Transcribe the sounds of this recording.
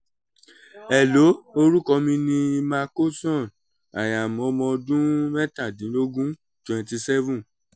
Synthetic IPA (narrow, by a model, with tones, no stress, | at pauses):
ɛ˨lo˨˦o˧ɾu˦kɔ˧mĩ˧nĩ˧ma˧ko˦sɔ̃˦˨n | a˨ja˨mɔ̃˨˦˧mɔ̃˧dũ˦mɛ˦ta˦˨dĩ˨˦lo˦ɡũ˦ | twɛ̃˨nti˧sɛ˦vũ˦